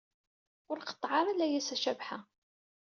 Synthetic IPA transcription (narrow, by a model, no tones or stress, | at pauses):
ʊɾqə̥t̪ˤːʕɑɾˤælæjæsæʃævħa